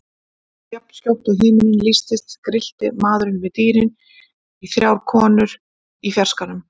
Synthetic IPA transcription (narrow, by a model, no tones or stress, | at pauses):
jap̚n̥scawht̪ʏɦɪːmɪnɪnlist̪ɪst̪kɾɪl̥t̪ɪmaːðɾʏnvɪðt̪iːɾɪn | iθɾjawɾkʰɔːnʏɾ̥ | ifjar̥skanʏm